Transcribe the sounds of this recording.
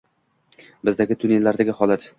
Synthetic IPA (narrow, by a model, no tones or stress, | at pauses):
bɪzd̪aɡʲɪt̪ʰʊne̞lːaɾd̪aɡʲɪhɒlˠat̪